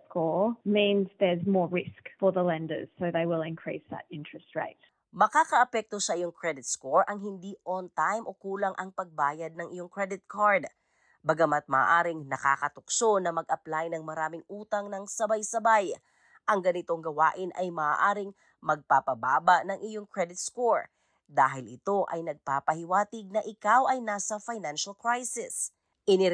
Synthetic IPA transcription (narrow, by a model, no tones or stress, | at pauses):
skɔɹmĩnzðə˞zmɔɹɹɪskfə˞ðəlɛ̃ndə̰˞z̥soʊðeɪwɪlˠɪ̃nkʰɹ̥ḭsðə̰ɾɪ̃nt͡ʃɹ̥ɛst̚ɹḛɪt̚ | mɐkaːkɐʔɐpɛk̚t̪o̞sɐʔɪjo̞ŋkɹɛd̪ɪt̪̚skoɹʔɐŋɦɪnd̪iʔont̪ajmʔokuːlɐŋʔɐŋpɐɡ̚baːjɐd̪̚nɐŋʔɪjo̞ŋkɹɛd̪ɪt̪̚kʰaɹd̪ | bɐɡɐmat̪̚mɐʔːʔaːɾɪŋnɐkaːkɐt̪ʊksonɐmɐɡʔɐplajnɐŋmɐɾaːmɪŋuːt̪ɐŋnɐŋsɐbajsɐbaj | ʔɐŋɡɐnɪt̪o̞ŋɡɐwaːʔɪnʔɐjmɐːʔaːɾɪŋ | mɐɡ̚papɐbaːbɐʔnɐŋʔɪjoŋkɹɛd̪ɪt̪̚skoɹ | d̪aːɦɪlʔɪt̪o̞ʔɐ̰jnɐɡ̚papɐhɪwaːt̪ɪɡ̚nɐʔɪkawʔɐjnasɐfɐjnanʃɐlkɹajsɪs | ʔɪnɪ